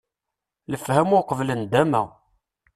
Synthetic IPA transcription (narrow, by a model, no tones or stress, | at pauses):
ləfhæmʊqəvlənd̪æmæ̰